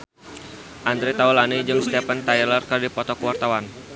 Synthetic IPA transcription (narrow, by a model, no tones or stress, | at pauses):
ʔand̪ɾet̪aulanid͡ʒɨŋst̪ɛpant̪ajlərkərdipɔt̪ɔkəwart̪awan